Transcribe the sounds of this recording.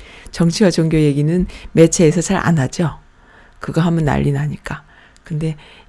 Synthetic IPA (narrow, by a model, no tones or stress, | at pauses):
t͡ɕʌŋt͡ɕʰiwat͡ɕoŋɡjoje̞ɡinɯnme̞t͡ɕʰe̞ːs̬ʰʌt͡ɕaɾʔa̰nad͡ʑo | kɯɡaɦamʌnːa̰ʎːinaɲik͈a | kɯnde̞